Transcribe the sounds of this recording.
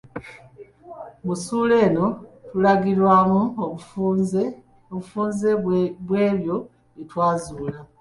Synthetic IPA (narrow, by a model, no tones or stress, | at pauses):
musuːle̞ːno̞tulaɡiɾwaːmuo | oβufuːnzeβwe̞ːβjo̞ | itwaːzuːla